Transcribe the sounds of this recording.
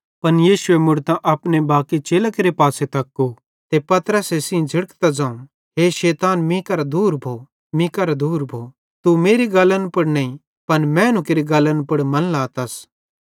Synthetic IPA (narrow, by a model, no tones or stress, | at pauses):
pɐnjiːʃʊemʊɽt̪ãʔɐpnebaːkit͡ʃeːlakeɾepaːset̪ɐkːo | t̪epɐt̪ɾəsesĩd͡ʒʱɐɽkt̪ad͡zãːũ | ɦeʃeːt̪aːnmĩkɐɾad̪uːɾbʱoː | mĩkɐɾad̪uːɾbʱoː | t̪umeːɾiɡɐlənpɐɽnɐ̃ĩ | pɐnmɛ̃ːnũkeɾiɡɐlənpɐɽmɐ̃nlaːt̪ɐs